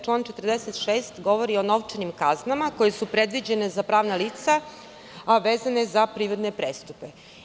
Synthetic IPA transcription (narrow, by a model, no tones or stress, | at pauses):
t͡ʃlˠaːnt͡ʃe̞t̪ərd̪eset̪ʃeːst̪ɡo̞ʋoɾio̞no̞ʋt͡ʃenimkaznamako̞je̞supɾe̞d̪ʋid͡ʑe̞ne̞zapɾaːʋnaliːt̪sa | aʋeːzane̞zapɾiɾod̪ne̞pɾest̪upe